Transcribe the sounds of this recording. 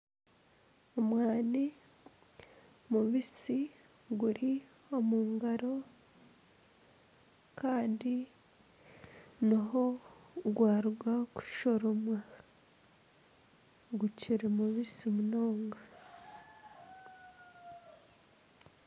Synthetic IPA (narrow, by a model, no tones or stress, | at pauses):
omwaːni | muβisi | ɡuɾi | o̞muːŋɡaɾo̞ | kaːndi | naɦoɡwaːɾuɡwaku̥ʃo̞ɾomwa | ɡuciɾemuβisimunoːŋɡa